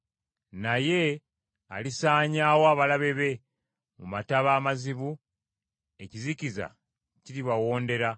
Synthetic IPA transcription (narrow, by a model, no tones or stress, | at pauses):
naje̞ | alisaːɲaːwoaːβalaβe̞βe̞ | mumataβaːmaziβu | e̞ciziciza̰ | ciɾiβawo̞ːnde̞ɾa